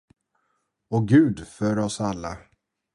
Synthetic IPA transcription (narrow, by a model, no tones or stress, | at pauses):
ɔɡʉ̟ːd̪fœɾɔsalːa̰